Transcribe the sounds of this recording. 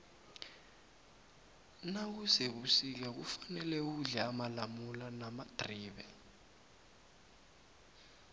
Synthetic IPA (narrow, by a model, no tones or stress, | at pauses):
nak̬useɓusik̬ɛk̬ufanɛlɛuɮɛamalamulanamad̥ʱriːɓɛ